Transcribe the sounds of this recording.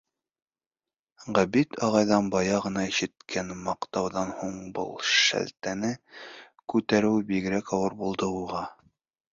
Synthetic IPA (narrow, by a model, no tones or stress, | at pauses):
ʁæbit̪ʰɑʁɑjðɑnbɑjɑʁɤ̆nɑiʃɘ̆t̪kʰænmɑqt̪ɑwðɑnhuɴbɤ̰lˠʃæ̰lt̪ænɘ | kʉt̪æɾɘwbiɡɘ̆ɾækɑwɤɾbulˠd̪ɤuʁɑ